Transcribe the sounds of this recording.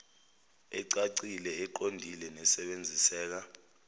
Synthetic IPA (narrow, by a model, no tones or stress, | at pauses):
ɛǀaǀilɛɛǃondʱilɛnɛsɛɓend͡zʱisɛːk̬a